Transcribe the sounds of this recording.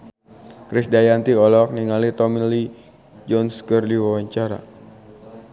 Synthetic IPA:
kɾɪsdajant̪iɔlɔk̚niŋalit̪ɔmili | d͡ʒɔnskərliwawaɲt͡ʃaɾa̰

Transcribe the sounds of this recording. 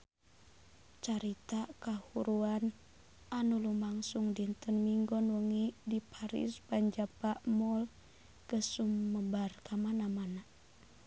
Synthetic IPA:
t͡ʃaɾit̪akahuɾuan | anulumaŋsuŋdint̪ənmiŋɡɔnwəŋidipʰaɾḭspaɲd͡ʒapaʔmɔl | kəsumːəbarkamanamana

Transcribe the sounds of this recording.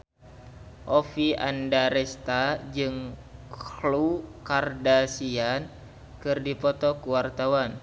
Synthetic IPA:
ʔɔfiʔa̰ndaɾɛst̪ad͡ʒɨŋklukardasian | kɨrdipɔt̪ɔkuwart̪awan

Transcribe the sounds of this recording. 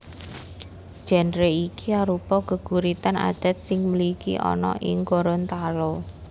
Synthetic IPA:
d̥ʒ̥a̤nɾeikiaɾupɔɡ̥ə̤ɡ̥ṳɾit̪ana̰d̪̥a̤t̪̚sɪŋməlikḭʔɔ̰nɔ̰ʔɪ̰ŋɡɔɾɔnt̪alɔ

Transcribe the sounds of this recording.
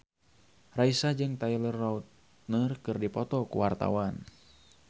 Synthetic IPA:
raisad͡ʒɨŋt̪ailərːaut̪ | nərkɨrdipɔt̪ɔkṵwart̪a̰wan

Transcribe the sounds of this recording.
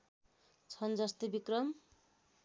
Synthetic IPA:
t͡sʰʌnd͡zʌst̪ebikrʌm

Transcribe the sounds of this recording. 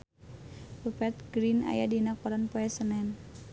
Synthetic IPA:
rupɛt̪̚ɡɾina̰ja̰dinak̚pɔɾanpoɛsənɛn

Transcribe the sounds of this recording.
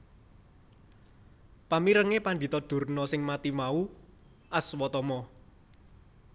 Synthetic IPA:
pamiɾəŋepand̪i̤t̪ɔd̪̥ṳrnɔsɪŋmat̪imau | ʔaswɔt̪ɔmɔ

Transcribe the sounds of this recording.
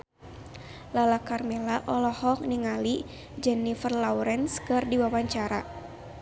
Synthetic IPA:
lalakarmɛlaʔɔlɔhɔk̚niŋali | d͡ʒɛnifərlawɾɛnskɨrdiwawaɲt͡ʃaɾa̰

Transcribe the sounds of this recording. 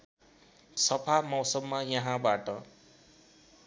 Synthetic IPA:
sʌpʰamʌwsʌbːajʌɦãbaʈʌ

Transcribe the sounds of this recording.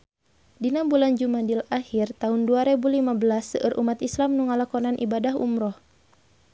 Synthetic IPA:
dinambuland͡ʒumadilahirt̪aɦunduaɾɛbulimabəlasːəʔɨrʔumat̪islamnuŋalakɔnanʔḭbadaɦṵmɾɔh

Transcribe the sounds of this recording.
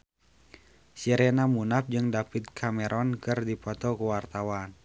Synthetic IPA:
siɾɛnamunap̚d͡ʒɨŋdapɪt̪̚kʰamɛɾʔɔnkɨrdipɔt̪ɔkəwart̪awan

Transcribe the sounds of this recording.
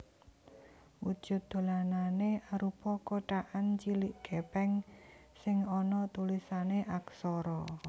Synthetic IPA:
wud̥ʒ̥ʊ̤t̪̚d̪̥o̤lananeaɾupɔkoʈaʔant͡ʃiliʔɡ̥ɛ̤pɛŋsɪŋɔnɔt̪ulisaneʔaksɔɾɔ

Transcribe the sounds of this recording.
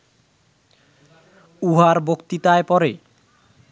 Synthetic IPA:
uɦaɾbokt̪it̪aepɔɾe

